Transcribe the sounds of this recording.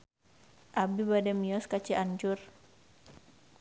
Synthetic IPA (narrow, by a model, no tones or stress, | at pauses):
ʔabibadamiɔskat͡ʃiʔaɲd͡ʒʊr